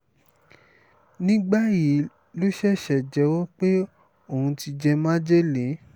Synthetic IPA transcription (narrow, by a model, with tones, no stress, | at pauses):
nĩ˦ɡ͡ba˦ji˨˦ | lo˦ʃɛ˦˨ʃɛ˨d͡ʒɛ˨˦wɔ˦k͡pe˦ | o˨hũ˧ti˧d͡ʒɛ˧mã˦d͡ʒe˦lẽ˨˦